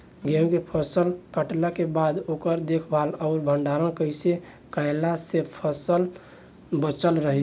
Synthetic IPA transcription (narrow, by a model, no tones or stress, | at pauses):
ɡẽkepʰəsəlkəʈlakebad̪okəɾd̪ekʰbʱalaʊɾbʱəɳɖaɾənkəɪse | kəjlasepʰəsəl | bət͡ʃəlɾəɦɛ